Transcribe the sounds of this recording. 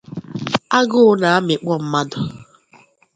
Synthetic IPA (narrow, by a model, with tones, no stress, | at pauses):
a˦ɡʊ˦ʊ˦na˨a˦mɪ˨k͡pɔ˦m̩˦ma˦dʊ˨